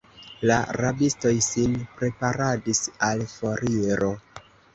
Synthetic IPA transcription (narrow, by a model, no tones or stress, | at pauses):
laɾabisto̞jsinpɾe̞paɾadisalfo̞ɾiɾo̞